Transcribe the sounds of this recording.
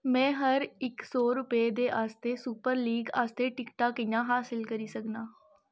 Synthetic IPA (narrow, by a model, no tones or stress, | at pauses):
mɛ̃ːɦəɾɪksɔːɾʊped̪eːʔaːst̪eːsuːpəɾliːɡaːst̪eːʈɪkʈaːkɪjãːɦaːsɪlkəɾiːsəknaː